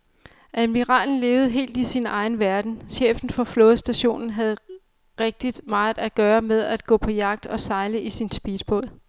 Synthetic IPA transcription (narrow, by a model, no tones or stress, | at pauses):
ʔæmiʁɑ̰̈ːln̩le̝ːʊð̞̩ˠəɦe̝̰ːld̥isinɑ̈ɪn̩ʋæɐd̥n̩ɕḛːfn̩fɒ̽flɔ̽ːð̩ˠsd̥æɕo̝̰ːnn̩ɦæð̞̩ˠ | ʁeɡ̥̚d̥id̥mɑ̈ːð̩ˠæɡ̥ɶːɐmeð̞ˠæd̥̚ɡ̥ɔ̰̽ːpʰɒ̽jɑ̈ɡ̥̚d̥ɒ̽sɑ̈ɪləʔisinsb̥iːd̥̚b̥ɔ̰ðˠ